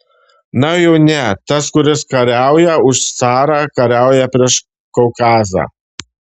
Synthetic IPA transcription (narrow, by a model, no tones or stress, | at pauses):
nɐjɛʊnʲɛt̪ɐskʊɾʲɪskɐɾʲæˑʊjɛʊʃsɑːɾɑːkɐɾʲæˑʊjɛpʲɾʲiɛʃ | kɔʊkɑːzɑ̰ː